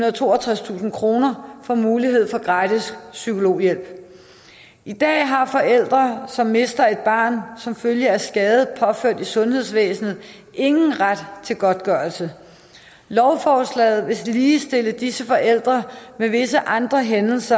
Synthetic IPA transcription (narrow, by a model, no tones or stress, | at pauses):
hunɐðˠt͡sʰo̝̰ːɐt͡sʰʁast͡sʰṵːsn̩kʰʁo̝ːnɐfɒ̽muːliɦe̝ð̞̰ˠfɒ̽ɡ̥ʁɑ̈d̥issykʰo̝lo̝̰ːjel̰b̥ | ʔid̥ɛ̰ːɦɑ̈fɒ̽ʔel̰d̥ʁɐsɒ̽mːe̝sd̥ɐe̝d̥̚b̥ɑ̰̈ːnsɒ̽mføljəæsɡ̥ɛːð̩ˠpʰɒ̽føɐ̰d̥isɔ̽nhe̝ð̞̰ˠsʋḛːsn̩ð̞̩ˠ | e̝ŋn̩ʁad̥t͡sʰe̝lɡ̥ɒ̽d̥̚ɡ̥ɶɐlsə | lɒʊfɒːslɛ̰ːð̞̩ˠʋe̝liːsd̥e̝ləd̥isəfɒ̽ʔel̰d̥ʁɐmeʋe̝səʔɑ̈nd̥ʁɐɦenl̩sɐ